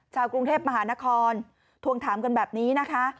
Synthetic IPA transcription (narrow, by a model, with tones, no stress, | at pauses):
t͡ɕʰaː˧wkɾu˧ŋt̪ʰeː˥˩p̚ma˧ɦaː˩˦na˦˥kʰɔː˧n | t̪ʰu˧əŋt̪ʰaː˩˦mka˧nbɛː˨˩p̚niː˦˥na˦˥kʰa˦˥